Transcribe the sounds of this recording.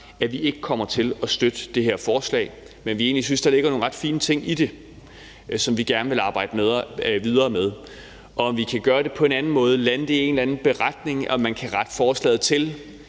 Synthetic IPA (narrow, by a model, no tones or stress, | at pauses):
æʋie̝ɡ̥əkʰɒ̽m̰ɐt͡sʰe̝lɒ̽sd̥ød̥əd̥e̝ɦeɐ̰fɒːslɛ̰ːɪ | menʋie̝̰ːnlis̬ynsd̥ɑ̈le̝ɡ̥ɐno̝ːnʁɑ̈d̥fiːnət͡sʰe̝ŋ̰id̥e̝ | sɒ̽mʋiɡ̥æɐnəʋe̝lɑ̈ːb̥ɑ̈ɪ̰d̥əmeðˠʋið̞ˠɐːmeð̞ˠ | ʔɒ̽ːmʋikʰæɡ̥ɶːɐd̥e̝pʰɒ̽e̝nænn̩mɔ̽ːð̞ˠəlænəd̥e̝e̝ːn̩lænn̩b̥e̝ʁɑd̥ne̝ŋɒ̽mænkʰæʁɑ̈d̥fɒːslɛ̰ːð̩ˠt͡sʰe̝l